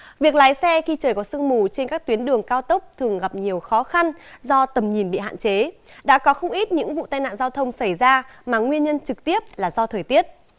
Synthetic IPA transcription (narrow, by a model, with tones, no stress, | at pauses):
vi˨˩ək̚laː˨˦jsɛ˧xi˧t͡ɕəː˨˩jkɔ˨˦sɨ˧əŋmu˧˨˩t͡ɕe˧nkaː˦˥k̚t̪wi˨˦ənɗɨ˨˩əŋkaː˧wt̪ə˦˥wk͡p̚t̪ʰɨ˨˩əŋɣa˨˩p̚ɲi˨˩əwxɔ˨˦xa˧nzɔ˧t̪ə˨˩mɲi˨˩nɓḭ˧˨ɦa̰ː˧˨t͡ɕe˨˦ɗa̰ː˧˥kɔ˨˦xə˧wŋ͡mʔi˦˥t̚ɲɨ̰˧˥ŋvṵ˧˨t̪aː˧jna̰ː˧˨nzaː˧wt̪ʰə˧wŋ͡msa˧˩jzaː˧maː˨˩ŋwi˧ənɲə˧nt͡ɕɨ˨˩k̚t̪i˦˥əp̚laː˨˩zɔ˧t̪ʰəː˨˩jt̪i˦˥ət̚